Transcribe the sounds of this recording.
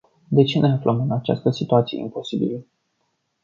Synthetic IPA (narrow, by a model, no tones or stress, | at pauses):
d̪e̞t͡ʃene̞aflʔəmɨnat͡ʃa̰st̪əsit̪uat̪sijḛḭmpo̞sibil